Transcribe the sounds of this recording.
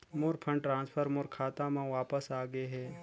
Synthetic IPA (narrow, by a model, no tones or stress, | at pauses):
moːɾpʰə̃ɳɖʈɾãːnspʰəɾmoɾkʰaːt̪ãmãʋaːpəsaːɡeɦɛː